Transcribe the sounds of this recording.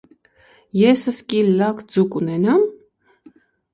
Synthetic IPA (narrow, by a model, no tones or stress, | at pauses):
jɛsəskillːɑkd͡zukunɛnɑm